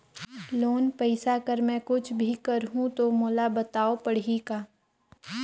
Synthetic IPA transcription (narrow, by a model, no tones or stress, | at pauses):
loːnpɛɪsakəɾmɛ̃kʊt͡ʃʰbʱikɐɾɦũt̪omoːlabɐt̪aːopɐɽikaː